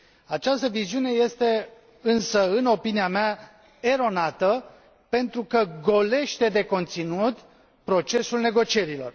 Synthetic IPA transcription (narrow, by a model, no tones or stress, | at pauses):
at͡ʃast̪əviziune̞je̞st̪e̞ | ɨnsəɨno̞piniamea | e̞ɾo̞nat̪ə | pe̞nt̪ɾukəɡo̞le̞ʃt̪e̞d̪e̞ko̞nt̪sinut̪ | pɾo̞t͡ʃe̞sulne̞ɡo̞t͡ʃie̞ɾilo̞̰r